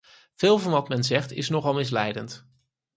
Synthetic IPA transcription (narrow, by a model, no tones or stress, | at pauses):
v̥ɪːlˠvɑnʋɑtmɛnzɛχtɪ̰snɔχɑlˠmɪs̬lɛjdənt